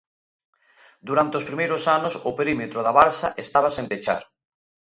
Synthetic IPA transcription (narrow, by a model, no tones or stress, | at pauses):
d̪uɾant̪eospɾimejɾʊsanʊsʊpeɾimet̪ɾoðaβaɾsaʔest̪aβ̞asẽmpet͡ʃa̰ɾ